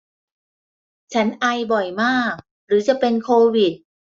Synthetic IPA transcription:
t͡ɕʰa˦˥nʔa˧jbɔ˨˩jmaː˥˩k̚ | ɾɯː˩˦t͡ɕa˨˩pe˧nkʰoː˧wi˨˩t̪̚

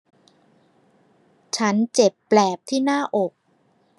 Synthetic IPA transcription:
t͡ɕʰa˦˥nt͡ɕe˨˩pːlɛː˨˩p̚t̪ʰiː˥˩naː˥˩ʔo˨˩k̚

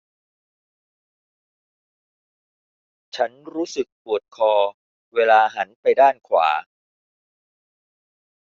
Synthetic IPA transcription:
t͡ɕʰa˦˥nɾuː˦˥sɯ˨˩k̚pu˨˩ət̪̚kʰɔː˧ | weː˧laː˧ɦa˩˦npa˧jdaː˥˩nkʰwa̰ː˩˦

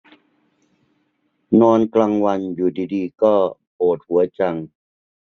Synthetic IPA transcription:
nɔː˧nklaː˧ŋwa˧njuː˨˩diː˧diː˧kɔː˥˩poː˨˩t̪̚hu˩˦ɐt͡ɕa˧ŋ

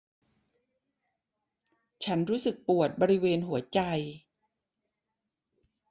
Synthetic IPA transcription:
t͡ɕʰa˦˥nɾuː˦˥sɯ˨˩k̚pu˨˩ət̪̚bɔː˧ɾi˦˥weː˧nɦu˩˦ɐt͡ɕa˧j

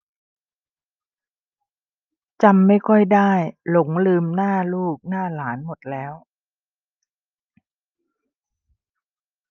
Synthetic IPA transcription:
t͡ɕa˧mːa˥˩jkʰɔ˥˩jdaː˥˩jlo˨˩˦ŋlɯː˧mnaː˥˩luː˥˩k̚naː˥˩laː˩˦nmo˨˩t̪̚lɛː˦˥w

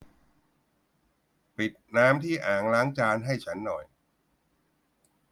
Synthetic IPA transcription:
pi˨˩t̪̚naː˦˥mt̪ʰiː˥˩ʔaː˩ŋlaː˦˥ŋt͡ɕaː˧nɦa˥˩jt͡ɕʰa˦˥nːɔ˨˩j

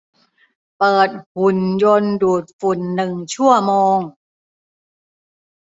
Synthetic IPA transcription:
pɤː˨˩t̪̚fu˨˩njo˧nduː˨˩t̪̚fu˨˩nːɯ˨˩ŋt͡ɕʰu˥˩ɐəmoː˧ŋ

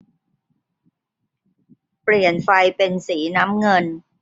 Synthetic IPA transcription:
pli˨˩ənfa˧jpe˧nsiː˩˦na˦˥mŋɤ˧n

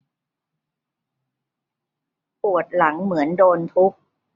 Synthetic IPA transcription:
pu˨˩ət̪̚la˩˦ŋmɯ˩˦əndoː˧nt̪ʰu˦˥k̚

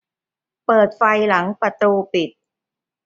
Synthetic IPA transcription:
pɤː˨˩t̪̚fa˧jla˩˦ŋpɾa˧t̪uː˧pi˨˩t̪̚

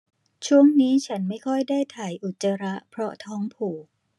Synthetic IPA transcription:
t͡ɕʰu˥˩əŋniː˦˥t͡ɕʰa˦˥nma˥˩jkʰɔ˥˩jdaː˥˩jt̪ʰaː˩jʔu˨˩t̪̚t͡ɕa˧ɾa˦˥ʔpʰɾɔ˦˥t̪ʰɔː˦˥ŋpʰuː˨˩k̚

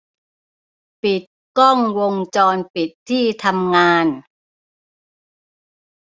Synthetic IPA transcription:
pi˨˩t̪̚kɔ˥˩ŋwo˧ŋt͡ɕɔː˧npi˨˩t̪ʰːiː˥˩t̪ʰa˧mŋaː˧n

